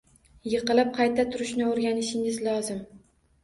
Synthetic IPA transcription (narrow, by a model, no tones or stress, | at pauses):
jɨqɨlˠɪp̚qʰɑjt̪ʰat̪ʰʊɾɪʃnɪoɾɡʲanɪʃɪŋɪzlˠɒzɪm